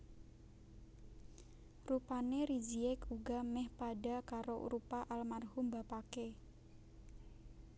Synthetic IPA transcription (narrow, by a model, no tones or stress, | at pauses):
rupaneɾid͡ʒiɛkuɡamɛhpaɖa̤kaɾoɾupaʔalmarhʊmbapake